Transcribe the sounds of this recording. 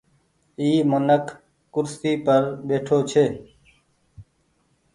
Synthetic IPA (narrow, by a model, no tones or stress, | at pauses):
iːmənəkʰ | kʊɾsiːpəɾɓeːʈʰoːt͡ʃʰeː